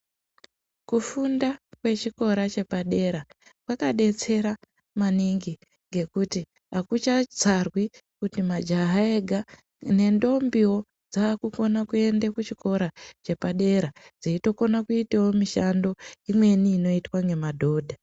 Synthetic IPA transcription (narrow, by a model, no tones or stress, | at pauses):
kufundakwe̞t͡ʃiko̞ɾat͡ʃe̞paɗe̞ɾakwakaɗe̞t͡se̞ɾa | maniŋɡi | ŋɡe̞kuti | akut͡ʃad͡zarwikutimad͡ʒaɦaeɡʱa | ne̞ndo̞mbiwo̞ | d͡zaːkuko̞nakue̞ndekut͡ʃiko̞ɾat͡ʃe̞paɗe̞ɾad͡ziito̞ko̞nakuitawomiʃando̞imwe̞niːno̞itwaŋe̞madʱo̞ːdʱa